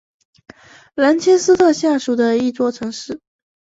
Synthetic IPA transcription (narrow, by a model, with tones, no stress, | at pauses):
la˧˥nt͡ɕʰɛ˥nsɹ̩˥t̪ʰɤ˥˧ɕja˥˩ʂu˨˧˩d̪ə˧i˥˧t͡swɔ˥˩ʈ͡ʂʰɤ˧˥ŋʂɻ̩˥˩